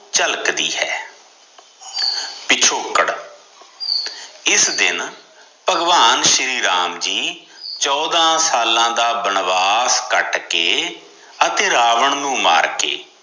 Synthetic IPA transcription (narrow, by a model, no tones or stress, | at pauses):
t͡ʃəlkd̪ḭːɦɛː | pɪt͡ʃʰoːkəɽ | ɪsd̪ɪ̰n | pəɡʋaːnʃɾiːɾaːmd͡ʒiː | t͡ʃɔːd̪ãːsaːlãːd̪aːbəɳʋaːskəʈkeː | ət̪eːɾaːʋəɳnũːma̰ːɾkḛː